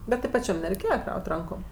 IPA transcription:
ˈbʲɛt tʲɪ pɐˈt͡ʃʲɛm nʲɛrʲɛɪˈkʲeːjɛ ˈkrɐʊtʲ ˈrɐŋkoːm

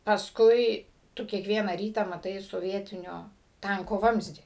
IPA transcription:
pɐˈskʊɪ ˈtʊ kʲiɛkˈʋʲiɛnɐ ˈrʲiːtɑː mɐˈtɐɪ soːˈʋʲiɛtʲɪnʲoː ˈtɐŋkoː ˈʋɐmʲzʲdʲiː

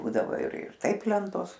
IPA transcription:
ˈbuːdɐʋoː ɪr ɪr ˈtɐɪp ˈlʲɛntoːs

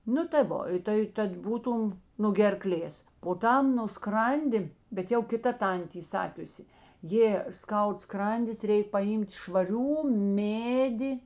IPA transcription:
ˈnʊ tɐɪ ˈʋoː tɐɪ ˈtɐt ˈbuːˌtuːm nʊ ɡʲɛrˈklʲeːs poː ˈtɐm nʊ ˈskrɐnʲdʲɪ bʲɛt ˈjɛʊ kʲɪtɐ ˈtɐnʲtʲeː iː ˈsɑːkʲʊsʲɪ ˈjeː ˈskɐʊt ˈskrɐnʲdʲɪs ˈrʲɛɪk pɐˈjiːmʲtʲ ʃʋɐˈrʲuː ˈmʲeːdʲɪ

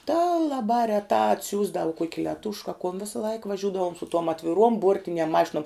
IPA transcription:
tɑː lˠɐˈbɑː rʲɛˈtɑː ɐtʲˈsʲuːzdɐw kuɔkʲ lʲɛˈtʊʃk ɐ kʊn ˈʋʲɪsɐˈlˠɐɪk ʋɐˈʒʲʊdɐʋoːm sʊ tuɔm ɐtʲʋʲɪˈruɔm ˈbuɔrʲtʲɪnʲiɛm ˈmɑːʃʲɪnuɔm

